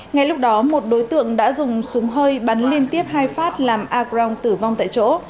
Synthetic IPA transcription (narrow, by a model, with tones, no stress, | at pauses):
ŋa˨˩jlʊ˦˥k͡p̚ɗɔ˨˦mo˨˩t̚ɗo˨˦jt̪ɨ̰˧˨əŋɗa̰ː˧˥zʊ˨˩ŋ͡msu˨˦ŋ͡mɦəː˧jɓa˨˦nli˧ənt̪i˦˥əp̚ɦaː˧jfaː˦˥t̚laː˨˩mʔaː˧kzaː˧wŋ͡mt̪ɨ˧˩va˧wŋ͡mt̪a̰ː˧˨jt͡ɕo̰˧˥